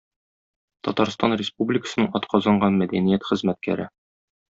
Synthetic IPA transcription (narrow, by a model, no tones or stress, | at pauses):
t̪ɒt̪ɑɾst̪ɑnrʲɪspublʲɪkə̥sɤ̆nɤɴɒt̪qʰɒzɑɴɢɑnmæd̪ænijæt̪χɘ̆zmæt̪̚kæ̰ɾɘ